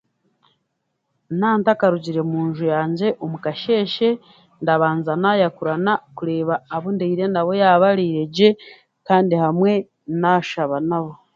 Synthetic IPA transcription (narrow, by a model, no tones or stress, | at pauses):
naːntakaɾuɟiɾe̞muːnʒujaːɲɟe̞ʔomukaʃe̞ːʃe̞ | ndaβaːnzanajakuɾanakuɾe̞ːβaːβundeiɾe̞ndaβo̞jaβaɾiɾeɟe̞ | kaːndihamwe̞ | naʃaβanaβo̞